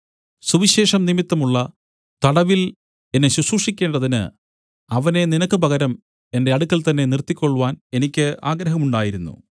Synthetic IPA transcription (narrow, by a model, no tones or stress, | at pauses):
suʋiɕe̞ːʂɐmnimit̪ːɐmuɭːɐ | t̪ɐɽɐʋil | e̞nːeɕusuʂikʲːe̞ːɳɖɐðinɨ̰ | ɐʋɐne̞ninɐkːɨpɐɣɐɾɐm | e̞nde̞ɐɽukːɐlt̪ɐnːe̞nirt̪ːikʲːo̞ɭːuʋaːne̞nikʲːɨʔaːɡɾɐɦɐmuɳɖaːjiɾunːṵ